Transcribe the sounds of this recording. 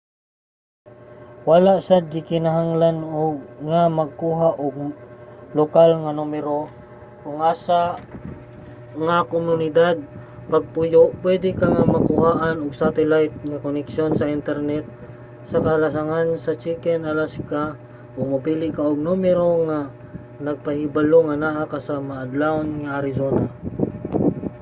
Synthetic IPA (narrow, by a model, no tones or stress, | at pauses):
walaʔsad͡ʒɪkɪnaɦaŋlanoɡŋamɐɡ̚kuːɦaʔoɡ̚ | lokalŋanumɛɾo | kʊŋaːsa | ŋakomʊnɪd̪ad̪̚pɐɡ̚pʊjopwɛd̪ɪkaŋamɐkʊhaːʔɐnoɡ̚sat̪ɛlajt̪̚ŋɐkonɛkʃjonsɐʔɪnt̪ɛɾnɛt̪̚ | sɐkɐlɐsɐŋansɐt͡ʃikɛnɐlaska | ʔomɐpiːlɪʔkaʔoɡ̚numɛɾoŋa | nɐɡ̚pɐhɪbɐloŋɐnaʔakasamɐːd̪lanŋɐʔɐɾɪsoːna